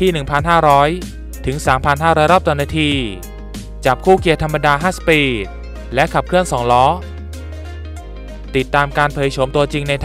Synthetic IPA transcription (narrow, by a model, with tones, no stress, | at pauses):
t̪ʰiː˥˩nɯ˨˩ŋpʰa˧nɦaː˥˩ɾɔː˦˥j | t̪ʰɯ˩˦ŋsaː˩˦mpʰa˧nɦaː˥˩ɾɔː˦˥jɾɔː˥˩t̪ɔ˧˩naː˧t̪ʰiː˧ | t͡ɕa˨˩p̚kʰuː˥˩ki˧ət̪ʰa˧mːa˧daː˧ɦaː˥˩si˨˩p̚ːʔiː˨˩ | lɛ˦˥kʰa˨˩p̚kʰɯ˥˩ənsɔː˩˦ŋlɔː˦˥ | t̪i˨˩t̪ːaː˧mkaː˧npʰɤː˨˩jt͡ɕʰo˩˦mt̪u˧ɐt͡ɕi˧ŋna˧jt̪ʰ